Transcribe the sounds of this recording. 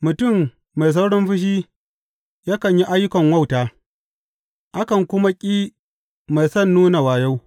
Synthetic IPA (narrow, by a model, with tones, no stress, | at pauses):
mʊ˨tʊ˦˨mː | a˨js̬a˦wɽɔ˦mɸɪ˦ʃ̬iː˦ | jaː˦kɐ˨ɲji˦ʔa˦jːʊ˦kɐ˨ŋwɐ˦wtaː˦ | ʔa˦kɐ˨ŋkʷʊ˦ma˦kʲʼiː˦ | ma˨jsɐ˦˨nːuː˦na˨waː˨ja˦w